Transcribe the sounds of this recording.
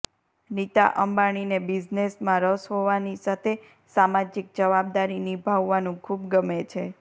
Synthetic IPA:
nit̪a̰ʔəmbaɽ̃inebid͡ʒnesmãɾəsɦoʋanisat̪ʰe | samad͡ʒik̚d͡ʒəʋab̚d̪aɾinibʱaʋːanũkʰubɡəmet͡ʃʰe

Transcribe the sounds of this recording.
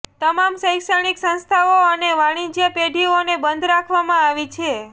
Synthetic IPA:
t̪əmamsəjksəɽ̃iksə̃nst̪ʰaoəneʋaɽ̃id͡ʒjəpeɖʱionebənd̪ʱɾakʰʋamãaʋit͡ʃʰe

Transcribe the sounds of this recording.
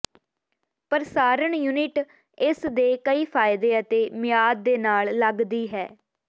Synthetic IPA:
pəɾsaːɾəɳjuːnɪʈ | ɪsd̪eːkəiːpʰaːɪd̪eːət̪eːmɪjaːd̪̚ːeːnaːlləɡd̪iːɦɛː

